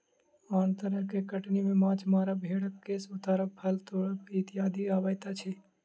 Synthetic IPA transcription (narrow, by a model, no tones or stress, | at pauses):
aːnt̪əɾəɦkekəʈnimemãːt͡ʃmaːɾəbʱeɽək̚kesʊt̪aːɾəkpʰəlt̪oɽəpit̪ijaːd̪ʱiaːbət̪at͡ʃʰɛ